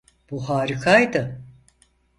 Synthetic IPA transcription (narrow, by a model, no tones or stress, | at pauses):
b̥uhaːɾikʰajd̪ɯ